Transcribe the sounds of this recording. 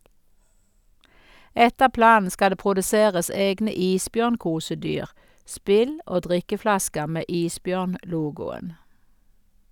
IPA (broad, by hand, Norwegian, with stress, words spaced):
ˈɛtəʁ ˈplɑːn̩ ˈskɑ ˈdeː pʁʊdəˈseːʁəs ˈeːɡnə ˈiːsˌbjœʁnˌkuːsəˌdyːʁ ˈspɪl ˈoː ˈdʁɪkəˌflɑskəʁ ˈmeː ˈiːsˌbjœʁnˌluːɡʊən